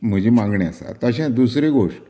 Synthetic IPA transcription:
m̤əd͡ʑʱiːmãŋɡɳeasa̰ɾt̪əɕɛ̃d̪usɾeɡoʂʈ

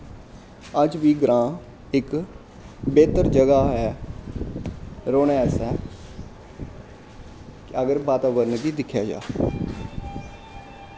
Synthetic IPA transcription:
əd͡ʒʋiːɡɾãː | ɪk | beːt̪əɾd͡ʒəɡaːɦɛː | ɾoːnɛsɛː | kəɡəɾbaːt̪aːbəɾnkiːd̪ɪkʰjaːd͡ʒa̰ː

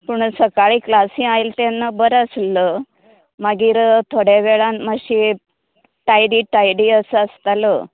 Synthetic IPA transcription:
puɳsəkaɭiːklasĩajlt̪enːabəɾəslə | maɡiːɾt̪ʰoɽeʋeɭãnmaɕi | ʈajɽiːʈajɽiːəsəəst̪alə

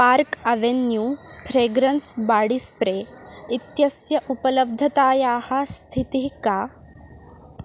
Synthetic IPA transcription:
paɾkɐʋenjuː | fɾeːɡɾɐnsbaːɽispɾeː | it̪jɐsjɐʔupɐlɐb̚d̪ʱɐt̪aːjaːhɐst̪ʰit̪iɦkaː

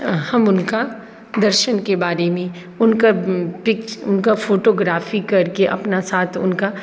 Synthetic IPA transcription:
hɐmʊnka | d̪ɐɾʃənkebaːɾemẽ | ʊnkapɪkt͡ʃʊ̰nkafoːʈoːɡɾaːfikɐɾkeʔɐ̰pnasaːt̪ʰʊ̰nka

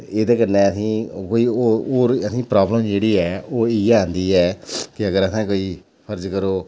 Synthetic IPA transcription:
ed̪eːkənːɛːəsĩːkoːiːoːoːɾəsĩːpɾaːbləmd͡ʒeːɽiːɛːoːiːaːnd̪iːɛːkɪəɡəɾəsɛ̃ːkoːiː | pʰəɾd͡ʒkəɾoː

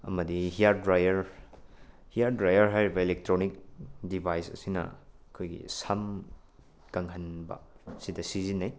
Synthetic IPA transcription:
ɐ̰mɐdihijaɾdɾajɐɾ | hijaɾdɾajɐɾɦajɾibɐilek̚tɾonik̚dibʱajsɐ̰sinɐ̰ɐkʰojɡḭsɐm | kɐŋɦɐnbɐ̰sidɐsizinɐj

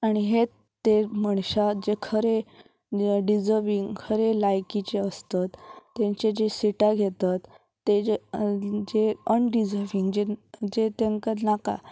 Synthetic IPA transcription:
aɽ̃iɦe | t̪ːeməɳɕad͡ʑekʰəɾe | ɖid͡zəɾʋiŋɡkʰəɾelajkit͡ɕeəst̪at̪ːẽɲt͡ɕed͡ʑesiʈaɡʱet̪at̪ː | e | d͡ʑeənɖid͡zəɾʋiŋɡd͡ʑed͡ʑet̪eŋkəɾnaka̰

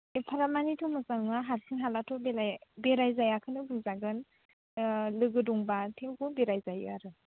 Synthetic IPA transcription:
epʰaɾamanitʰɔmɯsaŋŋaɦaɾsʰɯŋɦalatʰɔbelabeɾajzajakʰɯnɯbɯzaɡɯn | lɯɡɯdɔŋbatʰeŋɡubeɾajzajɯ̰aɾɯ

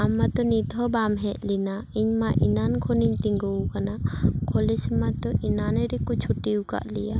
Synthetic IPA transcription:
amːat̪ɔnit̪ɔbamɦɛʔ̚linaiɲmaʔinankʰoniɲt̪iŋɡuwkanakʰolismat̪ɔʔinanɛɾikut͡ʃʰuʈiwka̰ʔlija

